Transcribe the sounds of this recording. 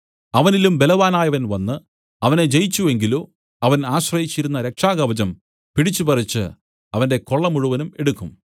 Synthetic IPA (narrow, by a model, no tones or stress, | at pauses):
ɐʋɐnilumbe̞lɐʋaːnaːjɐʋɐnʋɐnːɨ | ɐʋɐne̞d͡ʑe̞jt͡ɕːue̞ŋɡilu | ɐʋɐnaːɕrɐjit͡ɕːiɾunːɐɾe̞kʂaːɡɐʋɐd͡ʑɐm | piɽit͡ɕːupɐrit͡ɕːɨ̰ | ɐʋɐnde̞ko̞ɭːɐmuɻuʋɐnume̞ɽukːum